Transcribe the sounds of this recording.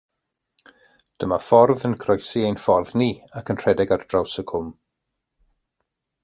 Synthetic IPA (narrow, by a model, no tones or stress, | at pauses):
d̥əmafɔrðənkʰrɔjsiejnfɔrðniːakʰənr̥ɛdɛɡard̥rawsəkʰʊm